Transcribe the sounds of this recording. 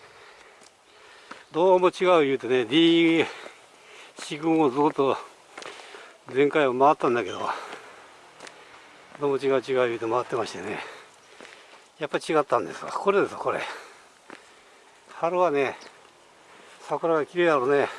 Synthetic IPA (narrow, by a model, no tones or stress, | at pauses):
d̪o̞ːmo̞t͡ɕiɡaɯ̟jɯ̟ːt̪o̞ne̞d̪ʲiː | ɕiɡɯ̟̃ɰozɨkɯ̟t̪ːo̞ | d͡zẽ̞ŋkaiβamaat̪ːãnd̪ake̞d̪o̰ | d̪o̞ːmo̞t͡ɕiɡaɯ̟t͡ɕiɡaɯjɯːt̪o̞maβat̪ːemaɕi̥t̪e̞nḛ | japːait͡ɕiɡat̪ːãnd̪e̞̰sɨ̥ka̰ko̞ɾe̞d̪e̞sɨ̥a̰ko̞ɾe̞̰ | haɾɯane̞ | sakɯɾaɡakʲiɾe̞ːd̪aɾone